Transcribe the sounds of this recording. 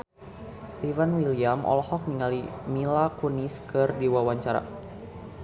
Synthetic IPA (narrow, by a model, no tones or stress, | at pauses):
st̪ivanwiliamʔɔ̰lhɔk̚niŋalimilakuniskɨrdiwawaɲt͡ʃaɾa̰